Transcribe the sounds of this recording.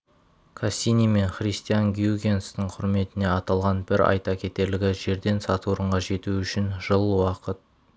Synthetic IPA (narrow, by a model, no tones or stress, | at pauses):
kʰasʲinʲime̞ɴχrʲijst̪ijaŋɡʲjuɡʲe̞nst̪ɪɴqʰʊɾme̞t̪ɪne̞ɑt̪ɑlˠʁɑnbɪɾɑ̰jt̪ɑkʲʰe̞t̪e̞ɾlɪɡʲɪʒe̞ɾd̪e̞nsɑt̪uoɾəɴʁɑʒe̞t̪uʏʃɪnʒ̥əlˠwɑqət̪̚